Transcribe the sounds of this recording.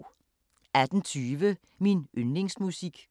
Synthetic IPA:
æd̥n̩t͡sʰyːʋə | minønle̝ŋsmusiɡ̥

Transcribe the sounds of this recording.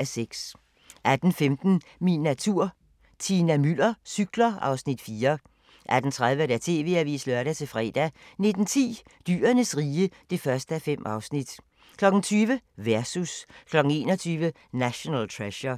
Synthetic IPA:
æseɡ̥s | ʔæd̥n̩femd̥n̩ | minæt͡sʰuɐ̰ | t͡sʰinæmylɐsyɡ̥lɐʔɑ̈ʊsnid̥fiːɐ | ʔæd̥n̩t͡sʰʁað̞ˠʋəɾ̥æt͡sʰe̝̰ːʋe̝̰ːæʋḭːslœɐɾæt͡sʰe̝fʁɛ̰ːd̥æne̝d̥n̩t͡sʰḭː | d̥y̰ːɐnəsʁiːəd̥e̝fɶɐsd̥əæfem̰ɑ̈ʊsnid̥ | kʰlɒ̽ɡ̥n̩t͡sʰyːʋəʋæɐsuskʰlɒ̽ɡ̥ŋ̩e̝ːnɒ̽t͡sʰyːʋə | næɕo̝nɛ̰lt͡sʰʁɛɕɐ

